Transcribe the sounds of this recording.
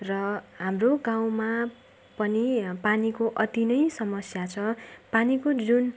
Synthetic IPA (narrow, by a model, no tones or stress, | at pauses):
rʌɦamroɡaw̃ma | pʌnipanikoʔʌt̪inʌjsʌmʌsjat͡sʰʌpanikod͡zun